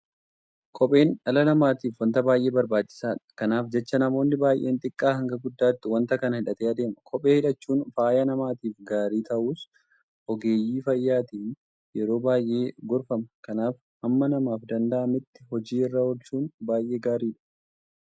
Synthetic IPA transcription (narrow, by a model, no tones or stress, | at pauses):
kʰʼɔpʼe̞ːnɐlɐnɐmaːt̪iːfwɐnt̪ɐbaːjʔe̞ːbɐɾbaːt͡ʃːɪ̥saːᶑɐ̥kɐnaːfd͡ʒɛt͡ʃːɐnɐmo̞ːnːɪbaːjʔe̞ːnt̪ʼɪkʼːaːhɐŋɡɐɡʊd̪ːaːt̪ːɪwɐnt̪ɐkɐnɐhɪᶑɐt̪eːɐd̪e̞ːmɐkʰɔpʼeːhɪᶑɐt͡ʃːuːnfaːjɐnɐmaːt̪iːfɡaːɾiːt̪ɐʔuːs | ʔɔɡeːjiːfɐjːaːt̪iːn | jɛɾo̞ːbaːjʔe̞ːɡɔɾfɐmɐkɐnaːf | ʔɐmːɐnɐmaːfd̪ɐnd̪ɐʔɐmɪt̪ːɪ̥ɦɔd͡ʒiːɪrːɐhɔlt͡ʃuːnbaːjʔe̞ːɡaːɾiːᶑɐ̥